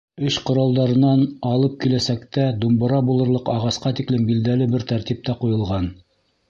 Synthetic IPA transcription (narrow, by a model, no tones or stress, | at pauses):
ɵɕqŏɾɑlˠd̪ɑɾɤ̆nɑnɑlˠɤp̚kilæsækt̪æd̪umbɤ̆ɾɑbulˠɤ̆ɾlˠɤqɑʁɑsqɑt̪iklɘmbild̪ælɘbɘɾt̪æɾt̪ip̚t̪æqujɤ̆lˠʁɑn